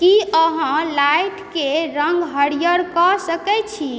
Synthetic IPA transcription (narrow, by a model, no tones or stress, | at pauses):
kiəɦə̃lajʈkeɾəŋɡɦəɽijəɾkɔsəkɛt͡ʃʰi